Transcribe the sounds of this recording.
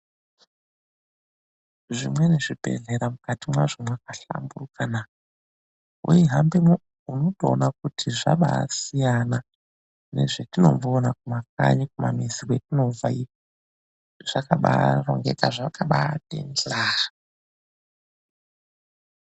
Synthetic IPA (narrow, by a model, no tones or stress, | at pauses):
ʐimwe̞ne̞ʐipe̞̰ɮeɾamukatimwaʐimwakaɬa̰mburukana | ujiɦambemo | uno̞toːnak̚utʰiʐa̰ɓa̰sijana | ne̞̰ʐetino̞̰mbonakumak̚a̰ɲikuma̰miziketino̞vai | ʐ̥akaɓa̰ro̰ŋɡe̞̰kaʐakaɓatḛnd͡ɮaːɦa